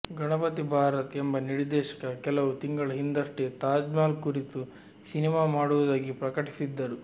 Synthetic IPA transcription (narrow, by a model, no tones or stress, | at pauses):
ɡɐɳɐpɐt̪ibʱaːɾɐt̪ɛmbɐniɾd̪ɛːʃɐ̥kɐkɛlɐʋut̪iŋɡɐɭɐɦind̪ɐʂʈet̪aːd͡ʒmaːlkuɾit̪u | sinimaːmaːɽuʋud̪aːɡipɾɐkɐʈi̥sid̪ːɐɾu